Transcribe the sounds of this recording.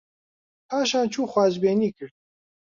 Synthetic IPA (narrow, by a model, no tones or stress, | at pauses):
pʰaːʃaːnt͡ʃʰuːxwaːʒbeːniːkɨɾd̪̚